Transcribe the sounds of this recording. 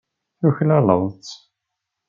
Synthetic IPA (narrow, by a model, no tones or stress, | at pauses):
θuçlælə̰ðˤt͡sː